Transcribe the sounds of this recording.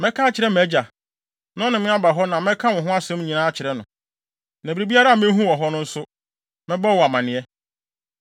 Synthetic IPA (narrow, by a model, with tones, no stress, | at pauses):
mɛ̃˦kʰa˦t͡ɕʰɪ˨ɾɛ˦mæ˨˦d͡ʑa˨ | nɔ̃˦nɪ̃˨mɪ̃˦a˦ba˨ɦɔ˦nã˨mɛ̃˦kʰã˦wʊ̃˨ɦʊ̃˦a˦sɛ̃˦m˦ɲĩ˨nãː˦t͡ɕʰɪ˨ɾɛ˦nʊ̰̃˨ | næ̃˨bi˨ɾi˨bi˦a˦ɾa˦a˨mɪ̃˦ɦũ˦wɔ˨ɦɔ˦nʊ̃˦n̩˦sʊ˦ | mɪ̃˦bɔ˦˨wɔ˨a˨mã˨nɪ̃˨˦ɛ˦